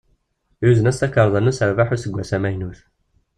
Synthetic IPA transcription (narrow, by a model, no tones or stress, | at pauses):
juzənæst̪ækːəɾˤðˤənusəɾvaħusəɡʷːæsæmæjnuθ